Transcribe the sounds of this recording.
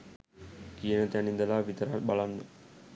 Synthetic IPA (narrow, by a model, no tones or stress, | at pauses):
kijənət̪ænind̪əlaːʋit̪əɾabalanːə